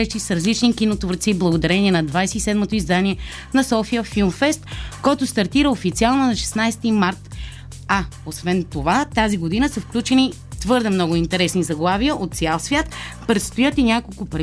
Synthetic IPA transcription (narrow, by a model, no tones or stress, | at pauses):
ɛʃt̪isɾɐzlit͡ʃnikinot̪voɾt̪siblˠɐɡod̪ɐɾɛniɛnɐd̪vajsɛisɛd̪mot̪oizd̪anʲiɛ | nɐsɔfijəfilˠmfɛst̪kɔjt̪ʊst̪ɐɾt̪iɾəofit̪sialˠnonɐʃɛ̥snajst̪imaɾt̪ | a | osvɛnt̪ovat̪aziɡod̪inəsəfklʲut͡ʃɛni | t̪vɤɾd̪ɛmnɔɡʊint̪ɛɾɛsnizɐɡlˠavijəʔot̪t̪sʲialˠsvʲjat̪pɾɛt̪st̪ojɤt̪inʲakolˠkʊpɾɛ